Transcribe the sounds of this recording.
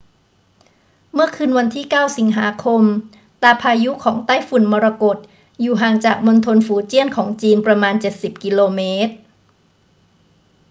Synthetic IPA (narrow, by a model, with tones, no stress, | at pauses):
mɯ˥˩ɐkʰɯː˧nwa˧nt̪ʰiː˥˩kaː˥˩wsi˩˦ŋɦaː˩˦kʰo˧m | t̪aː˧pʰaː˧ju˦˥kʰɔː˩˦ŋt̪aː˥˩jfu˨˩nmɔː˧ɾa˧ko˨˩t̪̚ | juː˨˩ɦaː˨˩ŋt͡ɕaː˨˩k̚mo˧nt̪ʰo˧nfuː˩˦t͡ɕi˥˩ənkʰɔː˩˦ŋt͡ɕiː˧npɾa˧maː˧nt͡ɕe˨˩t̪̚si˨˩p̚ki˧loː˧meː˦˥t̪̚